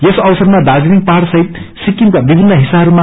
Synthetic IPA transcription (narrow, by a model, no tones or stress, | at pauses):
jesʌwsʌrmad̪ad͡ziɾik̚paɾsʌɦit̪sikːimkabibʱinːʌɦisaɦʌɾuma